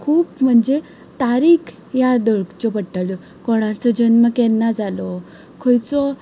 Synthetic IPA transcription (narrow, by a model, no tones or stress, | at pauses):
kʰuːpm̤əɳd͡ze | t̪aɾiːkʰ | jad̪əɭkt͡ɕɔpəʈːalɔ | koɽ̃ãt͡səd͡ʑənməkɛnːad͡zalɔ | kʰojt͡sɔ